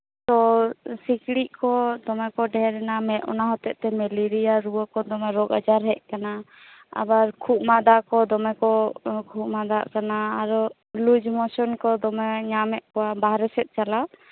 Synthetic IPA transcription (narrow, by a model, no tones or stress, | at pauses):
t̪ɔsikɽiʔkɔd̪ɔmɛkɔɖɛɾɛnamɛt̪̚ʔɔ̰naɦɔt̪ɛʔt̪ɛmɛliɾiaɾuwəkɔd̪ɔmɛɾɔɡad͡ʒaɾɦɛʔ̚kana | a̰baɾkʰuʔ̚mad̪aʔkɔd̪ɔmɛkɔkʰumad̪a̰ʔkanaaɾɔ | lud͡ʒmɔsɔnkɔd̪ɔmɛɲamɛʔkɔwabaɦɾɛsɛt̪̚ˀt͡ʃala